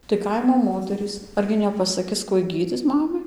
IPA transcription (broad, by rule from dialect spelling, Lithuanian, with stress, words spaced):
tɐɪ ˈkɐɪmoː ˈmoːtʲɛrʲiːs ˈɐrʲɡʲɪ nʲɛpɐsɐˈkʲɪs ˈkuɔj ˈɡʲiːd͡zʲɪt͡s ˈmɑːmɐɪ